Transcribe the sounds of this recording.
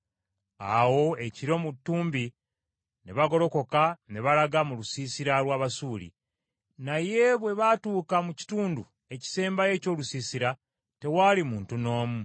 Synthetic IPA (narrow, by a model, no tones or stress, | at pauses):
a̰wo̞e̞ciɾo̞mutːuːmbi | neβaɡo̞lo̞ko̞kaneβalaɡamulusiːsiɾalwaːβasuːlḭ | naje̞βwe̞βatuːkamuci̥tuːndu | e̞ci̥se̞ːmbaje̞ːco̞ːlusiːsiɾa | te̞waːlimuːntuno̞ːmu